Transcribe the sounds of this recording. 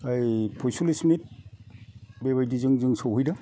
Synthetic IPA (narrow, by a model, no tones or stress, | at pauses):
ajpʰɔjsulismit̚ | beβajdizɯŋzɯŋsawɦɯjda